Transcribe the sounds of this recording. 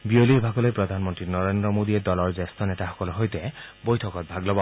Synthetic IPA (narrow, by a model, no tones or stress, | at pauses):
biolibʱakɔlojpɹɔd̪ʱanmɔntɹinɔɹendɹɔmod̪iɛdɔlɔɹzest̪ɔnɛtaxɔ̥kɔluɦojtɛbojtʰɔkɔt̪̚bʱaɡlɔbɔ